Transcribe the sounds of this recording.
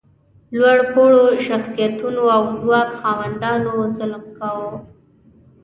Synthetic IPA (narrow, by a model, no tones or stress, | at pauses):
lwaɽpoɽoʃaxsijat̪unoawzwɑkxɑwand̪ɑnozəlkawə